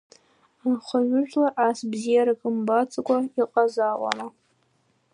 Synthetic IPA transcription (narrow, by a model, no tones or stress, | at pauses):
anχʷaɥʷʊʒᶣlaʔasbzijaɾakʼɨmbat͡sʼakʷʼaiqʼazaʔʷʼa̰na